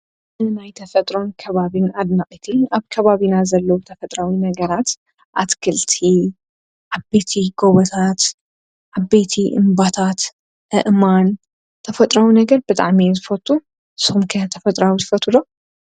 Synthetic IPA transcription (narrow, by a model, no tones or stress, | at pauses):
najt̪ʰɐfɐt̪ʼɾo̞nkʰɐβaβinad̪naχʼit̪ʰɨnaβkʰɐβaβinazɐlːɐwut̪ʰɐfɐt̪ʼɾawinɐɡɐɾat̪ | ʔat̪kʰɨlt̪ʰi | ʔaβbe̞t̪ʰiɡoβɐt̪ʰat̪ | ʔʕaβbe̞t̪ʰiʔɨ̰mbat̪ʰat̪ | ʔɨʔman | t̪ʰɐfɐt̪ʼɾawinɐɡɐɾbɨt̪ʼa̰ʕmizɨfɐt̪ʼːu | ɨsɨumkʰɐt̪ʰɐfɐt̪ʼɾawizɨfɐt̪ʰud̪o